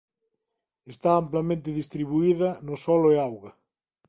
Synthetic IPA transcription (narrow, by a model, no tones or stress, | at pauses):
est̪aamplɐmẽnt̪ɪðist̪ɾiβuiðɐnʊsɔloeawɣɐ